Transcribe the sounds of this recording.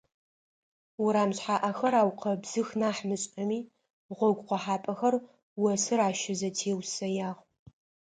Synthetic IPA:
wʊɾaːmɕħaːʔɐxɐɾaːwqʰɐbz̥ɨxnaːħmɨɕʼɐmiː | ʁʷɔɡʷqʷɔħaːpʼɐxɐr | wɐsɨɾaːʃɪzɐtʰeːwsɐjaːʁ

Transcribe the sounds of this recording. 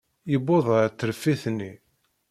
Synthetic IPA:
jəbːoðˤɾt̪ːɾfːiθnːi

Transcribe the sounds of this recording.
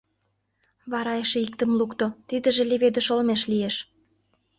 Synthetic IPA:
βɑɾɑjeʃĕik̚t̪ə̆mlukt̪ot̪id̪ə̆ʒĕleβed̪ĕʃolmeʃlijeʃ

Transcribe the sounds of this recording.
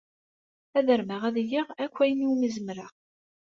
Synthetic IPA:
æðəɾməʁæðjiʁækʷːæjəniwməzəmɾaʁ

